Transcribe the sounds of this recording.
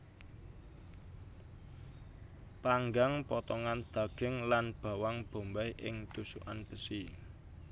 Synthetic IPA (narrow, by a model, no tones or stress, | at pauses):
paŋɡaŋpɔt̪ɔŋand̪̥a̤ɡ̥ɪ̤ŋlanb̥a̤waŋb̥o̤mbajʔɪŋt̪usṵʔanb̥əsi